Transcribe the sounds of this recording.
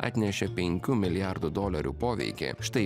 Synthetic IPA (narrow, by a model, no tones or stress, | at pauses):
ɑ̰ːt̪ʲnʲɛʃʲɛpʲɛŋʲkʲʊmʲɪlʲjaˑɾd̪ʊd̪oːlʲɐɾʲṵːpoːʋʲɛ̰ɪkʲḛːʃt̪ɐɪ